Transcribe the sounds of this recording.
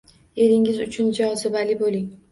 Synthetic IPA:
e̞ɾɪŋɪzʊt͡ʃʰʊnd͡ʒaɒzɪbalɪbolɪŋ

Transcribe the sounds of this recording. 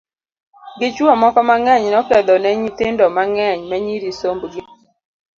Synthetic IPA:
ɡɪt͡ʃwamɔkɔmaŋɛɲnɔkɛd̪ɔnɛɲit̪ɪndɔmaŋɛɲmɛɲiɾisombɡi

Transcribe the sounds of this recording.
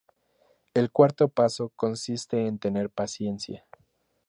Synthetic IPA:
e̞lkwaɾt̪o̞paso̞ko̞nsist̪e̞ːnt̪e̞ne̞ɾpasje̞nsja

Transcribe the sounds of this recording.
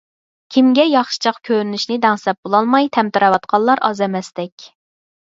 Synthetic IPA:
kʲʰimɡʲɛjɑχʃi̥t͡ʃʰɑqkʲʰøɾynyʃnɪd̪ɛŋsɛp̚bolˠɑlˠmɑjt̪ʰɛmt̪ʰɨɾɑwɑt̪qʰɑlˠɑɾɑ̰zɛmɛst̪ɛkʲ

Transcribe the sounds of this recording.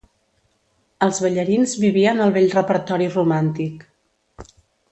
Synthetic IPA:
əlˠzβəʎəɾinzβiβiənəlˠβeʎrəpəɾt̪ɔɾirumant̪ik

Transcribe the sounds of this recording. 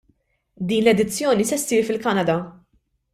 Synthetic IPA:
d̪iːnlɛd̪ɪt͡sːjɔːnisɛsːiːɾfɪlkɐnɐd̪ɐ

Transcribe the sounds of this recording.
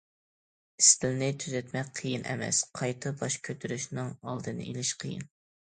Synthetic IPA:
ist̪ʰɪlnɪt̪ʰyzɛt̪mɛk̚ʲqʰəjinʔɛ̰mɛ̰sqʰɑjt̪ʰɨbɑʃkʲʰøt̪ʰyɾyʃnɨŋɑlˠd̪ɨnɨ̰ʔelɪʃqʰəjɪ̰n

